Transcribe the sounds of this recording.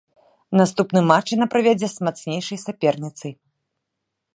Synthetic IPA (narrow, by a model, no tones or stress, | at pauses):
nast̪upnɨmat͡ʂinɐpɾavʲed͡zʲɛsmat̪snʲejʂɐjsʲapʲɛrnʲit̪sɨj